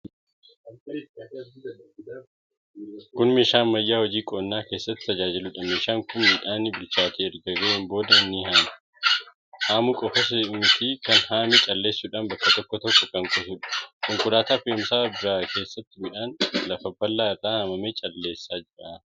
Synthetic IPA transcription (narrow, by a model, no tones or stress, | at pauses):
kʊnmeːʃaːnmɐjːaːhɔd͡ʒiːkʼoːnːaːke̞ːsːɐt̪ːɪ̥t̪ɐd͡ʒaːd͡ʒɪlʊᶑɐmeːʃaːŋkʊnmiːᶑaːnɪbɪlt͡ʃːaːt̪ʰeːɛɾɡɐɡeːmbo̞ːd̪ɐɪnːɪhaːmɐ̥ | haːmʊkʼɔfɐs̬ɐʊnt̪iːkɐnhaːmɛt͡ʃʼɐlːe̞ːsːuːᶑaːnbɐkːɐt̪ɔkːɔt̪ɔkːɔkɐŋkʼɔsuːᶑɐ̥kʼɔŋkʊɾaːt̪aːfeʊmsaːbɾaːke̞ːsːɐt̪ːɪmɪᶑaːnlɐfɐbːɐlːaːɪraːhɐmɐmeːt͡ʃʼɐlːe̞ːsːaːd͡ʒɪɾaː